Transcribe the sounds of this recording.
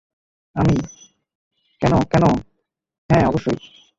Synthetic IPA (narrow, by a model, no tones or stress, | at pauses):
ami | kɛnokɛno | ɦɛ̃ɔboʃːoj